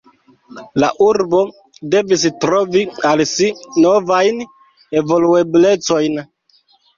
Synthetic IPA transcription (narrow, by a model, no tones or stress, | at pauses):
la̰ʔuɾbo̞ | de̞vis̬tɾo̞vialsino̞vajn | e̞vo̞lue̞ble̞t͡so̞jn